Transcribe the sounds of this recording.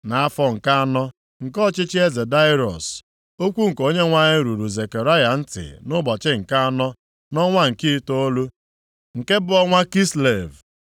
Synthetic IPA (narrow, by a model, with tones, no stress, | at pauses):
na˨a˦fɔ˦ŋ̩˨ka˦a˦nɔ˦ | ŋ̩˨kɔ˦˨t͡ʃɪ˦t͡ʃɪ˦e˦ze˨da˦ɪ˦ɾɔ̰˨s | o˦kʷu˦ŋ̩˨ko˦ɲe˦ŋʷa˦ɲɪ˦ɾu˨ɾu˨ze˨ke˨ɾa˦ja˨n̩˦tɪ̰˨nʊ˦bɔ˨t͡ʃɪ˦ŋ̩˨ka˦a˦nɔ˦ | nɔ˦ŋʷa˦ŋ̩˨ki˦to˦o˦lu˦ | ŋ̩˨ke˦bʊ˦ɔ˦ŋʷa˦ki˦sle˨v